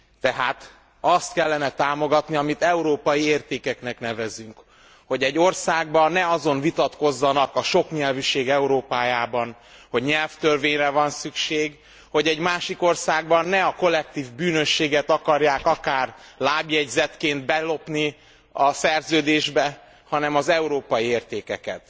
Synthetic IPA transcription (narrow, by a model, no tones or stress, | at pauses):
t̪ɛɦaːt̪ | ɒst̪kɛlːɛnɛt̪aːmo̞ɡɒt̪niɒmit̪ɛuɾoːpɒjieːrt̪eːkɛkn̪ɛkn̪ɛvɛzyŋk | ho̞ɟɛɟːo̞rsaːɡ̚bɒnnːɛɒzo̞nvit̪ɒt̪ko̞zːɒnɒkɒʃo̞kɲɛlvyʃeːɡɛuɾoːpaːjaːbɒn | ho̞ɟɲɛlft̪ørveːɲrɛvɒnsykʃeːɡ | ho̞ɟɛɟmaːʃiko̞rsaːɡbɒnːɛɒko̞lːɛk̚t̪iːvbyːnø̞ʃːeːɡɛt̪ɒkɒrjaːkɒkaːrlaːbjɛɟzɛt̪keːnd̪bɛlo̞pni | ɒsɛrzøːd̪eːʒbɛ | hɒnɛmɒzɛuɾoːpɒjieːrt̪eːkɛkɛ̰t̪